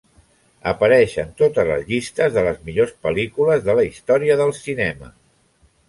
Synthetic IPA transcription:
əpəɾɛʃənt̪ot̪əzlə̰zʎist̪əzðələzmiʎospəlikuləzðələist̪ɔɾiəðəlˠsinɛmə̰

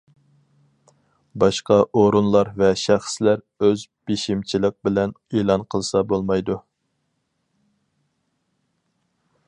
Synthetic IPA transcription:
bɑʃqɑʔoɾunlˠɑɾvɛʃæχslæɾ | øzb̥eʃimt͡ʃʰilɪq̚bɪlɛn | elˠɑnqʰəlˠsɑbolˠmɑjd̪u

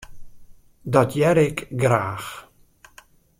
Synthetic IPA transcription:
dɔtʰjɛɾɪkɡraːx

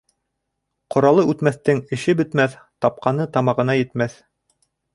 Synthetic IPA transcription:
qŏɾɑlˠɤʉt̪mæθt̪ɘŋɘ̆ʃɘbɘ̆t̪mæθ | t̪ɑp̚qɑnɤt̪ɑmɑʁɤ̆nɑjɘ̆t̪mæθ

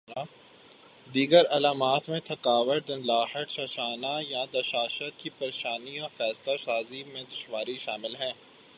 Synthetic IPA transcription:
d̪iːɡəɾɐlaːmaːt̪mẽt̪ʰɐkaːʋəʈ̚d̪ɐ̃nlaːɦəʈʃɐʃaːnajãd̪ɐʃaːʃət̪kipɐɾeːʃaːniɔːɾfɛːslasaːzimẽd̪ʊʃwaːɾiʃaːmɪlɦɛ̃ː

